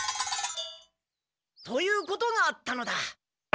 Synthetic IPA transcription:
t̪o̞jɯːko̞t̪o̞ŋaːt̪ːano̞d̪a

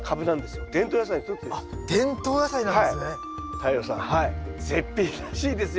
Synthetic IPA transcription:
kʰabɯ̟nãnd̪esɨjod̪̥ẽ̞nt̪oːjas̬aiçt̪ot͡sɨd̪sd̪̥ẽnt̪o̞ːjasainãaesne | t̪ʰaijosã̰haizepʲːiː | ɕiːd̪e̞sɨ

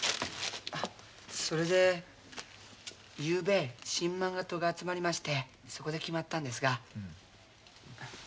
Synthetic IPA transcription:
a | so̞ɾe̞d̪e̞ | jɯːbeɕĩmːãŋɡat̪o̞ɡaːt͡sɨmaɾʲimaɕi̥t̪e̞ | so̞ko̞d̪e̞kʲimat̪ːãnd̪e̞s̬ɨɡa

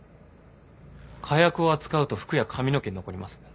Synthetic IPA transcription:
kʰajakɯ̟o̞at͡sɨ̥kaɯ̟t̪o̞ɸɯ̥kɯ̟jakʰamʲino̞keɲʲino̞ko̞ɾʲimasɨ̥

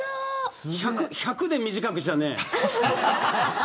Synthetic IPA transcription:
çakɯçakɯd̪e̞mʲiʑikakɯ̟ɕit̪anḛ

